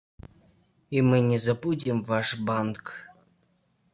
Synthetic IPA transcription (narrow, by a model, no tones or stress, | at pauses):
imɨnʲezapudʲimvɑʂbɑnk